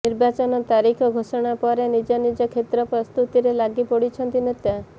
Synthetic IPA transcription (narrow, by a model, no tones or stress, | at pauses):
niɾbat͡ʃɔnɔt̪aɾikʰɔɡʱosɔɽ̃apɔɾenid͡ʒɔnid͡ʒɔkʰet̪ɾɔpɾɔst̪ut̪iɾelaɡipɔɽit͡ʃʰɔnt̪inet̪a